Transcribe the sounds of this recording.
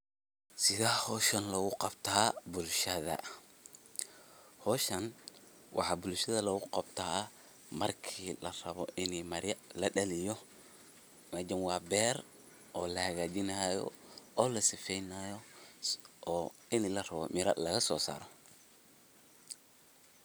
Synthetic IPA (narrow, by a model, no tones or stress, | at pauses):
sɪðaːhɔːʃɐnlɐɣʊqɑbt̪ʰaːbʊlʃɐðɐ̰ | hɔːʃɐn | wʔɑ̰ħɑːbʊlʃɐðɐlɐɣʊqɑbt̪ʰaː | mɐrkʰiːlɐrɐβɔ̰ʔɪnimɐɾjɐlɐɗɐlɪjɔ | mɐd͡ʒɐnwɑːbɛːr | ʔɔːlɐhɐɣaːt͡ʃɪnɐjɔ̰ɔːlɐsɪfɛjnaːjɔ | ʔːɪnlɐrɐβɔ̰mɪɾɐ̰lɐɣɐsɔːsa̰ːɾɔ